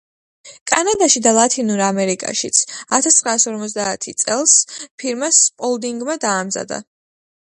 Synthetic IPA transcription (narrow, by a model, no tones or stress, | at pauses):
kʼanad̪aʃid̪alˠat̪ʰinuɾamɛɾikʼa̰ʃit̪sʰat̪ʰast̪ʰχɾaːsɔɾmɔt̪sd̪aːt̪ʰit̪sʼɛlˠspʰiɾmaspʼɔlˠd̪iŋɡmad̪aːmza̰d̪a̰